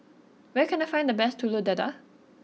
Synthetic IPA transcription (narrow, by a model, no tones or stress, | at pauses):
wɛkɛ̃najfãj̃ndəbɛstʰːulodɛda̰